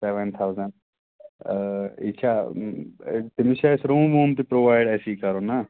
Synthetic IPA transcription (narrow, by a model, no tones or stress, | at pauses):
seʋənt̪ʰawzəɳɖ̚ | ḭt͡ɕʰa | t̪imiɕasɾoboːmt̪ipɾoʋajɽɛsikaɾona